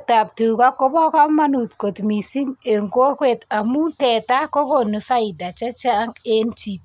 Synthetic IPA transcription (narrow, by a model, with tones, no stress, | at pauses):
ta˨p̚tu˨ka˦kɔ˦bɔ˦ka˦ma˦nu˨tko˨tmi˨si˦ŋe˨ŋko˦kwe˨ta˨mu˦tɛ˨ta˦ko˦ko˨ni˨fa˦i˨da˨t͡ʃa˦t͡ʃa˦ŋe˦nti˨t̚